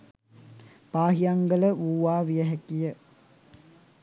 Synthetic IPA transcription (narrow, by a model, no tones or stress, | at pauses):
paːɦijaŋɡələuːʋaːʋijəɦækijə